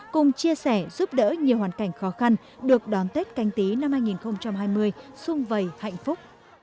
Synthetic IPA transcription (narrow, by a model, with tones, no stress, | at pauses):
kʊ˨˩ŋ͡mt͡ɕi˧əsɛ˧˩zu˦˥p̚ɗə̰ː˧˥ɲi˨˩əwhaː˨˩nka˧˩jŋ̟xɔ˨˦xa˧n | ɗɨ˨˩ək̚ɗɔ˨˦nt̪e˦˥t̚ka˧jŋ̟t̪i˨˦na˧mhaː˧jŋi˨˩nxə˧wŋ͡mt͡ɕa˧mhaː˧jmɨ˧əjsʊ˧ŋ͡mvə˨˩jha̰˧˨jŋ̟fʊ˦˥k͡p̚